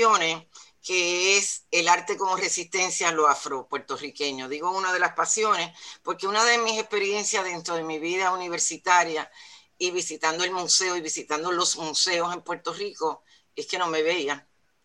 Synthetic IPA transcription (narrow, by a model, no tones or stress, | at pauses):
oneke̞eselaɾt̪e̞ko̞more̞sist̪e̞nsjaloafɾo̞pwe̞ɾt̪o̞rike̞ɲo̞ðiɣo̞unaðe̞laspasjo̞ne̞spo̞ɾkeunaðe̞mĩse̞spe̞ɾje̞nsjaðe̞nt̪ɾoðe̞miβiðauniβ̞e̞ɾsit̪aɾja | iβisit̪and̪o̞e̞lmuse̞oiβisit̪and̪olo̞smuse̞ose̞mpwe̞ɾt̪o̞riko̞ | e̞ske̞no̞me̞βeia